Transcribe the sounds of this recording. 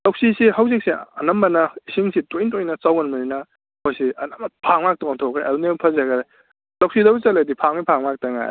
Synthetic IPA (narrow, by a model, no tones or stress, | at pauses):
lɐwksisihawzik̚siɐnɐmbɐnɐisiŋsitojntojnɐt͡ʃawɡɐnmɐninɐ | mojsiɐnampʰaŋmak̚tɔŋatʰokʰɾealunempʰɐzaɡɐɾe | lɐwksidɐbut͡ʃɐledipʰaŋmipʰaŋmak̚tɐŋa̰j̰